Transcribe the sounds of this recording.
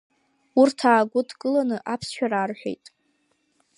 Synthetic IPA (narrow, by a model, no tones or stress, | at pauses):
urtʰaːɡʷʊdkʼɨlanɨʔapʰsʃᶣaɾaːrħʷᶣe̞̰jtʼ